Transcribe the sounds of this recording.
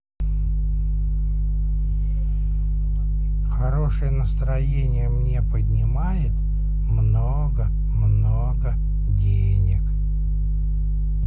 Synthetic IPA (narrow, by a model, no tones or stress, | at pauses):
xɐɾo̞ʂɨjənəst̪ɾɐjenʲɪjəmnʲe̞pədʲnʲɪmajɪt̪ | mno | ɡə | mno̞ɡə | dʲe | nʲɪk